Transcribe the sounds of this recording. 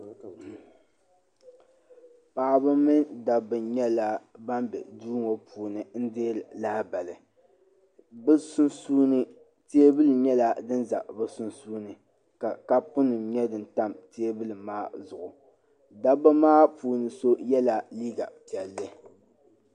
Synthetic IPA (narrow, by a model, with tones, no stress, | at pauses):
paː˨bɨ˦mɨ˦nda˨bɨ˨ɲɛ˦la˦ba˦mbɛ̰˨duː˦ŋo˨puː˨nɨ˨n̩˦deː˦lɨ˨laː˦ba˨lɨ˨ | bɨ˦ssuː˦nɨ˦ | te˦e˦bɨ˦lɨ˨ɲɛ˦la˦dɨ˦nza̰˨bɨ˦sʊ˦nsuː˦nɨ˨ | ka˨ka˦pʊ˦nɨ˨mɲɛ˦dɨ˨n˨ta˦mte˦bɨ˦lɨ˨maː˦zʊ˨ʔʊ˨ | da˦bɨ˦maː˦puː˨nɨ˨so˦jɛ˦la˨liː˦ɡa̰˨pi˨ɛ˨lːɨ˦